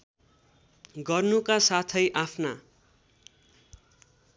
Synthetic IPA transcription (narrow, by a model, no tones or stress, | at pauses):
ɡʌrnukasat̪ʰʌjʔapʰna